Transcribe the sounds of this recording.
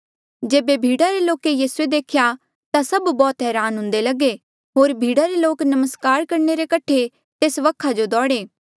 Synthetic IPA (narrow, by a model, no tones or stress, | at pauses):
d͡ʒeːbebʱiːɽaɾeloːkejiːsued̪eːkʰja | t̪asɐbbɔːt̪ɦɛːɾaːnɦʊ̃nd̪elɐɡe | ɦoːɾbʱiːɽaɾeloːknɐməskaːɾkɐɾneɾekɐʈʰe | t̪eːsʋɐkʰːad͡ʒod̪ɔːɽeː